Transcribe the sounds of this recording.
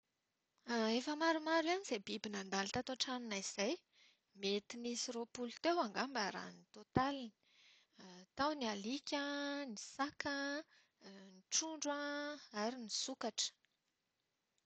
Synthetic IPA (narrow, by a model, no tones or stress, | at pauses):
efəmaɾumaɾanizebibinand̪alit̪at̪oʈ͡ʂaninaiz̥aj | met̪inisiropulut̪ewaŋɡambaɾa̰nit̪ot̪alini̥i̥ | t̪awnialikʲənisakə | niʈ͡ʂuɳɖ͡ʐaaɾinisukaʈ͡ʂə̥